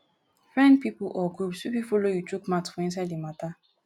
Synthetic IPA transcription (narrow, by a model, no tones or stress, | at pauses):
fɹɛ̃ndpipoʔɔɡɾupswipifolojutukmatfɔĩns̬ajdimata